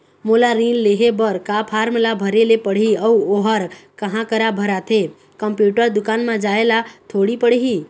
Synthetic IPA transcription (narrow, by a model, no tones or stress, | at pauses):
molaɾilleɦebəɾkapʰaɾmlabʱəɾelepəɽ̤iəuoɦəɾkəɦãkəɾabʱəɾat̪ʰe | kəmpjuʈəɾd̪ʊkanmãd͡ʒaelat̪ʰoɽipəɽ̤eɦi